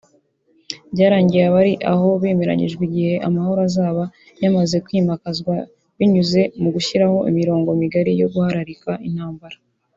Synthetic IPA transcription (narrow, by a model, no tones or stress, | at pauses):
bɟaːɾaːɲɟijaβaɾiʔaɦo̞βe̞ːme̞ɾa̰ɲḭʒɡwiɟihe̞ʔamaho̞ɾazaːβa | jamaze̞kwiːmakazɡwa | βiɲuze̞muɡuçiɾaho̞ʔḭmiɾo̞ːŋɡo̞miɡaɾijo̞ɡuhaɾaɾikaʔin̥haːmbaɾa